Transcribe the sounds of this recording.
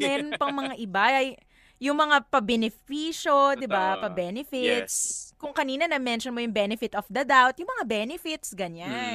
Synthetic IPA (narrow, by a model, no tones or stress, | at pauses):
mɛːɾonpɐŋmɐŋaʔɪbaʔɐj | jʊŋmɐŋapɐbɛnɪfiːʃo̞d̪ɪbapɐbɛnɪfɪt̪̚skʊŋkɐniːnɐnɐmɛnʃonmojʊŋbɛnɪfɪt̪ofd̪ɐd̪awt̪̚jʊŋmɐŋabɛnɪfɪt̪sɡɐɲan